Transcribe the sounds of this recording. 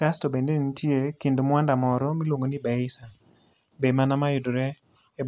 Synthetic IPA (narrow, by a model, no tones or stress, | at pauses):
kastobendenitjekɪndomwandamɔɾɔmilwoŋɡonibɛɪsa | bemanamajʊdoɾɛː